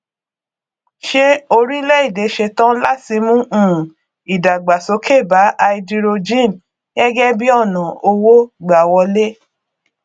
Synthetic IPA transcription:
ʃe˧o˧ɾi˦lɛ˦i˦˨de˨˦ʃe˧tã˦la˦ti˧mũ˦ʔ̩˦˨ũ˨ | i˨da˨ɡ͡ba˨so˨˦kʰe˦˨ba˨˦ʔa˧i˧di˧ɾo˧d͡ʒĩ˦˨n | ɛ˦ɡɛ˦bi˦ɔ˦˨nã˨o˧wo˦ɡ͡ba˨wɔ˧le˦

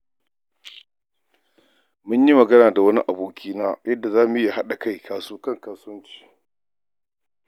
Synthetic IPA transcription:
mʊ˦ɲji˦mɐ˨ɡɐ˦naː˨da˨wɐ˦ni˦ʔa˨boː˨kʲʰiː˦naː˦jɐ˦dːa˨zaː˦mu˨˦ja˨ha˦ɗa˨ka˦˨jkʰaː˨suː˦kɐ˦˨ŋkaː˦sɐ˦nt͡ʃi̥ː˨

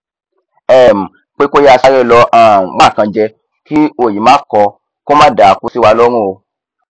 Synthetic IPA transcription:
ɛ˦˨m̩˨ | k͡pe˦ko˦ja˦˧sa˧˦ɾɛ˦˨lɔ˧ʔã˦˨ɡ͡ba˦˨kã˧d͡ʒɛ˧ | ki˦o˨ji˨mãː˨˦kɔ˧ | ko˦mãː˦da˨ku˧˦si˦wa˧lɔ˦ɾ̃ũ˦˨o˧

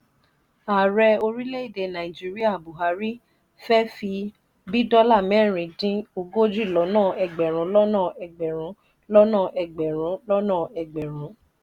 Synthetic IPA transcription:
a˨ɾɛ˧o˧ɾi˦le˦i˦˨de˧˨nã˨i˨d͡ʒi˦ɾi˦a˦˨bu˨ɦa˨˦ɾi˦ | fɛ˦fi˧ | bi˦dɔ˦la˦˨mɛ̃˦˨ɾ̃ĩ˨˦dĩ˦o˧ɡo˦d͡ʒi˦˨lɔ˨˦nãː˦˨ɛ˨ɡ͡bɛ˨ɾ̃ũ˨˦lɔ˦nã˦˨ɛ˨ɡ͡bɛ˨ɾ̃ũ˨˦ | lɔ˦nã˦˨ʔɛ˨ɡ͡bɛ˨ɾ̃ũ˨˦lɔ˦nãː˦˨ɛ˨ɡ͡bɛ˨ɾ̃ũ˨˦

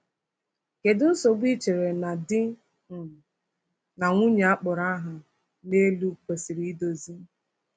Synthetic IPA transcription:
ke˨dʊ˦n̩˦so˨ɡ͡bʷi˦t͡ʃe˨ɾe˨na˨dɪ˦ | ŋ̩˨ | na˨ŋʷu˦ɲa˨a˦k͡pʊ˨ɾa˦ɦa˨ | ne˦lu˦kʷe˨si˨ɾi˦do˨zi˦

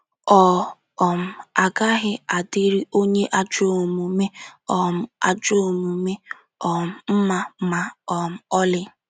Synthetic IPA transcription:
ɔ˨ | ɔ˨m̩˨a˨ɡa˦ɣɪ˦a˨dɪ˦ɾi˦o˦ɲe˦ʔa˦d͡ʒo˦˨mu˨me˦ɔ˨m̩˦a̰˨d͡ʒo˦˨mu˨me˦ | ɔ˨m̩˨m̩˦ma˦ma˨ɔ˨m̩˨ɔ˦lɪ˦

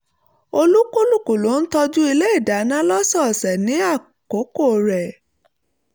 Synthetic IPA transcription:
o˧lu˦ko˦lu˦˨ko˨lo˨˦n̩˦tɔ˧d͡ʒu˦i˧le˦i˦˨da˨˦nã˦lɔ˦sɔ˦˨sɛ˨nĩ˨˦a˦˨ | ko˨˦ko˦˨ɾɛ˨

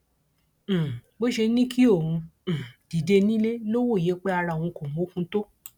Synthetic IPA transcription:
bo˦ʃe˧˦nĩ˦ki˦o˦˨wũ˧˨d̥i˨˦de˧nĩ˦le˦lo˦wo˦˨je˨˦k͡pe˦a˧ɾã˧˨ũ˧ko˨mũ˨o˦kũ˧to˦

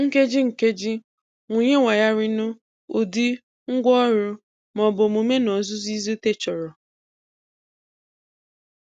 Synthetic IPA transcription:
ŋ̩˦ke˦d͡ʒi˦ŋ̩˨ke˦d͡ʒi˦ | ŋʷu˨ɲe˦ŋʷa˨ja˦ɾɪ˦nʊ˦ | o˨di˦ | ŋ̩˦ɡʷɔ˦ɾʊ˦ | mɔ˨bʊ˨m̩o˨me˦nɔ˨zʊ˦zi˦zi˦te˦t͡ʃɔ˨ɾɔ˨

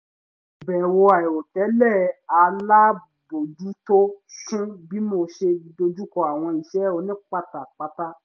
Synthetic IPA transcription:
bɛ˨wo˧a˨i˨o˨tɛ˨˦lɛ˦˨a˧la˦ | bo˨du˨˦to˦ʃũ˦bi˦mo˧ʃe˧do˧d͡ʒu˦kɔ˧a˨w̃ɔ̃˧i˨ʃɛ˨˦o˧˦nĩ˦k͡pa˦˨ta˨k͡pa˨˦ta˦

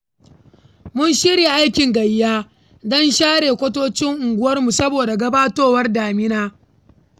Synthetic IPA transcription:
mʊ˦nʃɪ˦ɽiː˨ʔa˦jkʲɪ˨ŋɡɐ˨jːaː˦ | dɔ˦nʃaː˦ɽeː˨kʷɐ˦toː˦t͡ʃɪ˦ŋʔʊ˨ŋɡʷʊ˦wɐ˦rmu˨sɐ˦boː˨da˨ɡɐ˦baː˦toː˦wɐ˦rdaː˨mɪ˦naː˦

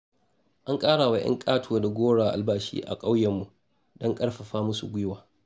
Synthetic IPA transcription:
ʔa˦ŋkʼaː˦ɽa˨wa˨j̰ʔɐ̰˦ŋkʼaː˦tʰoː˨da˨ɡʷoː˦ɽaː˨ʔa̰˨lbaː˦ʃḭː˦ʔa̰˨kʼa˦wjɛ˨mːu˨ | dɔ˦ŋkʼɐ˦ɽɸa˨ɸaː˦mʊ˦sṵ˨ɡʷʊ˦jwaː˨

